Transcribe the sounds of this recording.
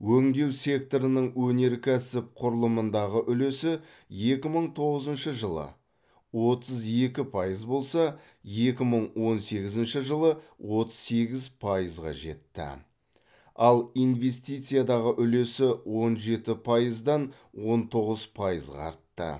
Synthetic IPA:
wɵŋd̪e̞wsʲe̞k̚t̪o̞ɾənəɴwɵne̞ɾkʲʰæsɪp̚qʰʊɾəlˠəmənd̪ɑʁəʔʏle̞sɪ | je̞kʲɪməɴt̪ʰo̞ʁəzənʃəʒəlˠə̰ | wo̞t̪əze̞kʲɪpʰɑjəzbo̞lˠsɑ | je̞kʲɪməɴwo̞nse̞ɡʲɪzɪnʃɪʒəlˠəwʔo̞t̪ə̥z̥se̞ɡʲɪzpʰɑjəzʁɑ̰ʒe̞̰t̪ːɪ̰ | ɑlˠijnve̞st̪ijt̪sɨijad̪ɑʁəʔʏle̞sɪwo̞nʒe̞t̪ɪpʰɑjəzd̪ɑn | wo̞nt̪ʰo̞ʁəzpʰɑjəzʁɑ̰ɑ̰ɾt̪ːə̰

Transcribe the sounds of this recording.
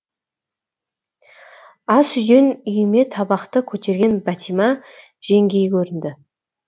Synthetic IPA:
ɑsʏj̪e̞nʏjɪme̞t̪ʰɑbɑqt̪əkʲʰɵt̪e̞ɾɡʲe̞nbæt̪ʰimɑ | ʒ̥e̞ŋɡʲe̞jkʲʰɵɾɪnd̪ɪ

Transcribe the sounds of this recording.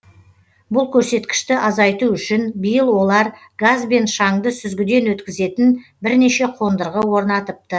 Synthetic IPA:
bʊlˠkʲʰɵɾse̞t̪kʲɪ̥ʃt̪ɪʔɑzɑjt̪uʏʃɪnbijəlˠwo̞lˠɑɾ | ɡazbe̞nʃɑŋd̪əsʏzɡʲɪd̪e̞nwɵt̪kʲɪze̞t̪ɪnbɪɾneʃe̞qʰo̞nd̪əɾʁəwo̞ɾnɑt̪əp̚t̪ə

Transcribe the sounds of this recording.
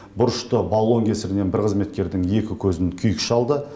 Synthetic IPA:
bʊɾəʃt̪əbalˠo̞ŋkʲʰe̞sɪɾɪne̞nbɪɾqʰəzme̞t̪̚kʲe̞ɾd̪ɪŋje̞kʲɪkʲʰɵzɪŋkʲʰʏjɪkʃɑlˠd̪ə

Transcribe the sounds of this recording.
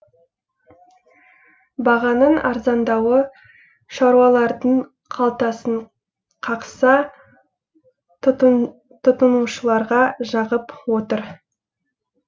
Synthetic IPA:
bɑʁɑnəɴɑ̰ɾzɑnd̪ɑwə | ʃɑɾuɑlˠɑɾd̪əɴ | qʰɑlˠt̪ɑsəɴ | qʰɑqsɑ | t̪ʰʊt̪ənuʃəlˠɑɾʁɑʒɑʁəpwo̞t̪əɾ

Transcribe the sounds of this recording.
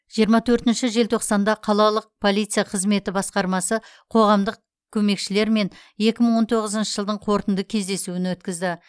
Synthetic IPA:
ʒ̥ijəɾmɑt̪ʰɵɾt̪ɪnʃɪʒe̞lt̪ʰo̞qsɑnd̪ɑqʰɑlˠɑlˠəq̚pʰo̞lˠijt̪sɨjaqʰəzme̞t̪ɪbɑsqɑɾmɑsə | qʰo̞ʁɑmd̪əq̚ | kʲʰɵme̞kʃɪle̞ɾme̞n | je̞kʲɪməɴwo̞nt̪ʰo̞ʁəzənʃə̥ʒəlˠd̪əɴqʰo̞ɾt̪ənd̪əkʲʰe̞zd̪e̞suɪnwɵt̪kʲɪzd̪ɪ

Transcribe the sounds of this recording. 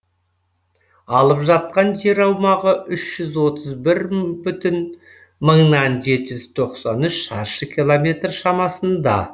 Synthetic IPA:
ɑlˠəpʒɑt̪̚qɑnʒe̞ɾɑwmɑʁəʔʏʃʒ̥ʏzwo̞t̪ʰəzbɪɾbʏt̪ɪn | məɴnɑnʒe̞t̪ɪʒʏz̥t̪ʰo̞qsɑnʏʃʃɑɾʃəkʲʰilˠomʲe̞t̪rʃɑmɑsənd̪ɑ̰

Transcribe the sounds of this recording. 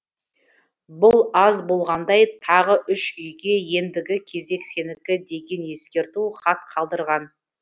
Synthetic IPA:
bʊlˠɑzbo̞lˠʁɑnd̪ɑjt̪ʰɑʁəʔʏʃʏjɡʲe̞je̞nd̪ɪɡʲɪkʲʰe̞ze̞kse̞nɪkʲɪd̪e̞ɡʲe̞nje̞skʲe̞ɾt̪uχɑt̪qʰɑlˠd̪əɾʁɑn

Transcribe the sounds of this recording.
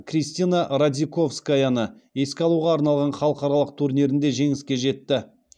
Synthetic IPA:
krʲijst̪inaɾad̪ʲiko̞fskajanəje̞skʲɑlˠuʁɑːɾnɑlˠʁɑnχɑlˠəqɑɾɑlˠəq̚t̪ʰuɾnʲeɾɪnd̪e̞ʒe̞ŋɪskʲe̞ʒe̞t̪ːɪ

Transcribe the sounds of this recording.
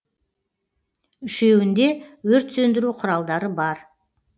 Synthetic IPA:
ʏʃe̞wɪnd̪e̞wɵɾt̪sɵnd̪ɪɾuqʰʊɾɑlˠd̪ɑɾəbɑɾ

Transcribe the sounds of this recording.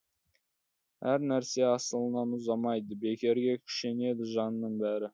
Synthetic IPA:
hæɾnæɾse̞ɑsəlˠənɑnʊzɑmɑjd̪əbe̞kʲe̞ɾɡʲe̞kʲʰʏ̥ʃe̞ne̞d̪ɪʒɑnnəɴbæɾɪ

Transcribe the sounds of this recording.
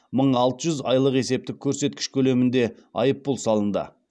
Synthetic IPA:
məɴɑlˠt̪əʒʏzɑjlˠəqe̞se̞p̚t̪ɪkʲʰːɵɾse̞t̪̚kʲɪ̥ʃkʲʰɵle̞mɪnd̪e̞ɑ̰jəpːʊlˠsɑlˠənd̪ə̰

